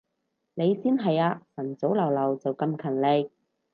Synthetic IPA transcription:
ne˨˧jsiː˥nɦɐ˨jaː˧sɐ˨˩nt͡so˨˥wlɐ˨˩wlɐ˨˩wt͡sɐ˨wkɐ˧mkʰɐ˨˩nle˧j̚

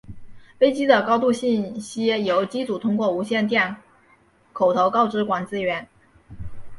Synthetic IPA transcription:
fe˥ɪt͡ɕi˥d̪ə˨kɑ˥ʊt̪u˥˧ɕi˥˩nɕi˥jo˧˥ʊt͡ɕi˥t͡su˨˩t̪ʰʊ˥ŋkwɔ˥˩u˧˥ɕjɛ˥˧nt̪̬jɛ˥˩n | kʰo˨˩ʊt̪ʰo˧˥ʊkɑ˥ʊʈ͡ʂɻ̩˧˥kwa˨˩nt͡sɹ̩˥ɥɛ˧˥n

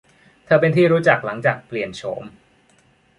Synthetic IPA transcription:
t̪ʰɤː˧pe˧nt̪ʰiː˥˩ɾuː˦˥t͡ɕa˨˩k̚la˩˦ŋt͡ɕaː˨˩k̚pli˨˩ənt͡ɕʰoː˩˦m

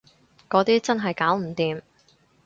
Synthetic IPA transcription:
kɔː˨˧˥t̪iː˥t͡sɐ˥nɦɐ˨jkaː˨˥wm̩˨˩t̪iː˨m

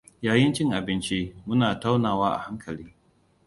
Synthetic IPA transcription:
jaː˨jɪ˦nt͡ʃɪ˦ŋʔa˨bɪ˦nt͡ʃi˦mʊ˦naː˨ta˦wnaː˨waː˦ʔa̰˨ha˦ŋkʰɐ˨liː˦

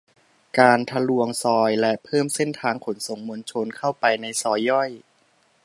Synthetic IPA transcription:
kaː˧nt̪ʰa˧lu˧əŋsɔː˧jlɛ˦˥pʰɤː˥˩mse˥˩nt̪ʰaː˧ŋkʰo˩˦nso˨˩˦ŋmo˧nt͡ɕʰo˧nkʰa˥˩wpa˧jna˧jsɔː˧jːɔ˥˩j

